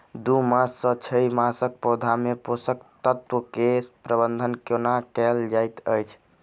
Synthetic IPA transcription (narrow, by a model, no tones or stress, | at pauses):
d̪umasːə̃t͡ʃʰəjmasək̚pod̪ʱameposək̚t̪ət̪wəkespɾəbənd̪ʱənkjonakɛld͡ʒajt̪əjt͡ʃʰ